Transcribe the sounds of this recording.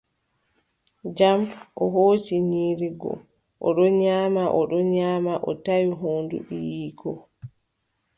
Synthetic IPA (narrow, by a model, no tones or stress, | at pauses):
d͡ʒamʔɔɦoːt͡ʃiɲiːɾiɡɔ̰ | ʔɔɗɔɲaːmaʔɔɗɔɲaːmaʔɔ̰tajuɦoːndṵɗḭjiːkɔ